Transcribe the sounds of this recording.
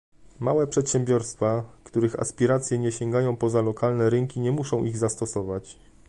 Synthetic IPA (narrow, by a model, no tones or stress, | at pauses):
mawɛpʂɛt̪ɕɛmbʲjɔɾst̪fakt̪uɾɘxa̰spʲiɾat̪sʲjɛɲɛɕɛŋɡajɔ̃w̃pɔzalɔkalnɛɾɘŋkʲiɲɛmuʂɔ̃w̃ʔiɣzast̪ɔsɔvat͡ɕ